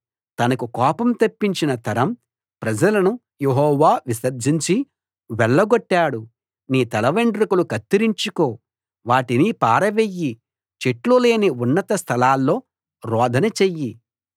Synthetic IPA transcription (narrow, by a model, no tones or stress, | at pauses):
t̪ɐnɐkukɔːpɐmt̪ɐpːiɲt͡ʃinɐt̪ɐɾɐm | pɾɐd͡ʒɐlɐnu | jeɦɔːʋaːʋisɐɾd͡ʒ̪ʱiɲt͡ʃi | ʋɛɭːɐɡɔʈːaːɽu | niːt̪ɐlɐʋeɳɖɾikulukɐt̪ːiɾiɲt͡ʃukoː | ʋaːʈinipaːɾɐʋeːjːi | t͡ʃeʈlule̞ːniunːɐt̪ɐst̪ʰɐlaːlːo̞ː | ɾɔːd̪ʱɐnɐt͡ʃejːi